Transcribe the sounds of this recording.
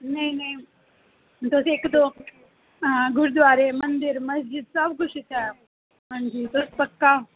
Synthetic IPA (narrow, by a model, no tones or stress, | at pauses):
nɐĩnɐĩ | t̪oːseːkd̪o | ɡʱʊɾd̪ʋaːɾemɐ̃nd̪ɪɾmɐsd͡ʒɪd̪sɐbkʊʃɪt̪ʰa | ɦãːnd͡ʒiːt̪oːspɐkːa